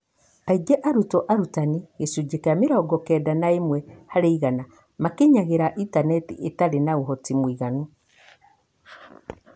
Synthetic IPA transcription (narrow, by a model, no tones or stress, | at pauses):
aiɡɛʔaɾutɔʔaɾutaniɣesud͡ʒekameɾɔɡɔkɛdanaemwɛhaɾeiɣana | makeɲaɣeɾaʔitanɛtḭetaɾenaoɦɔtimwiːɣanu